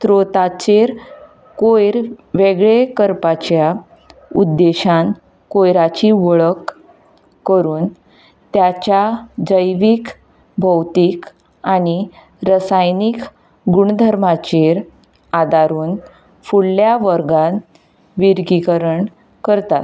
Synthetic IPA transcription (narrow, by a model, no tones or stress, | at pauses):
t̪ɾot̪at͡ɕeɾ | kojɾʋeɡɭekəɾpat͡ɕja | ud̪ːeɕãn | kojɾat͡ɕiʋəɭəkː | əɾuːn | t̪jat͡ɕjad͡zəjʋik | bʱəwt̪ik | aɽi | ɾəsajnik | ɡuɳd̪ʱəɾmat͡ɕeɾ | ad̪aɾuːn | fuɭljaʋəɾɡãn | ʋiɾɡikəɾəɳ | kəɾt̪a̰t̪